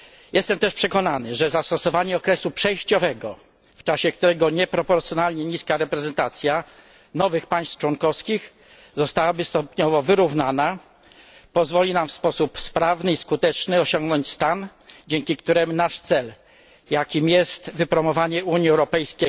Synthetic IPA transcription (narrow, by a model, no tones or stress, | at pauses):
jɛst̪ɛmt̪ɛʂpʂɛkɔnanɘʐɛzast̪ɔsɔvaɲɛɔkɾɛsupʂɛjɕt͡ɕɔvɛɡɔ | ft͡ʂaɕɛkt̪uɾɛɡɔɲɛpɾɔpɔɾt̪sjɔnalɲɛɲiskaɾɛpɾɛzɛnt̪at̪sʲja | nɔvɘxpaj̃st̪ft͡ʂwɔnkɔfskʲix | zɔst̪awabɘst̪ɔpɲɔvɔvɘɾuvnana | pɔzvɔlʲinamfspɔsupspɾavnɘiskut̪ɛt͡ʂnɘɔɕɔ̃ŋɡnɔɲt͡ɕst̪an | d͡ʑɛŋkʲikt̪uɾɛmnaʂt̪sɛl | jakʲimjɛst̪vɘpɾɔmɔvaɲɛʔuɲiɛwɾɔpɛjskʲe